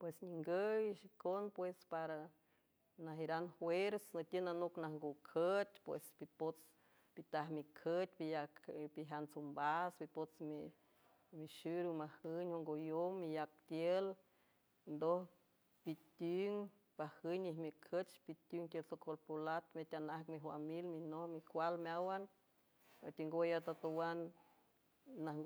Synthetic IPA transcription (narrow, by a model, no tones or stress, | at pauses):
pwesɲiŋɡəjʃikonpwespaɾa | naɦiɾanhweɾsnət̪ʲjənanuknahŋɡukʰət̪ʲpwḛspipot͡s | pit̪ahmikʰət̪̚ʲpijakpiɦant͡sumbasbipot͡smi | miʃuɾumahɨɲhoŋɡojomːijak̚t̪jel | nd̪oh | pit̪uŋ | pahɨnihmikʰət͡ʃpit̪uŋt̪ʲəlsokʰolpolat̪met̪ʲanahkmifa̰milminohmikʷalmawan | at̪iŋɡojat̪at̪owan | a